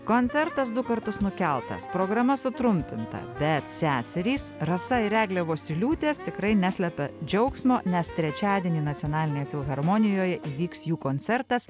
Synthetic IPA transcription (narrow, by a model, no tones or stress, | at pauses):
koːnʲt̪sʲɛɾt̪ɐs̬d̪ʊkɐɾt̪ʊsnʊkʲɛlˠt̪ɐ̰spɾoːɡɾɐmɐsʊt̪ɾʊmʲpʲɪnt̪ɐ̰bʲɛt̪sʲæːsʲɛɾʲiːsɾɐsɐɪɾʲæːɡlʲɛʋoːsʲɪlʲuːt̪ʲeːst̪ʲɪkɾɐɪnʲæsʲlʲɛpʲɛd͡ʒʲɛʊksmoːnʲɛst̪ʲɾʲɛt͡ʃʲɑːd̪ʲieɛnʲiːnɐt̪ʲonɑːlʲɪnʲeːjɛfʲɪlˠɣɐɾmoːnʲɪjoːjɛʔiːʋʲiːksjuːkoːnʲt̪sʲɛɾt̪ɐs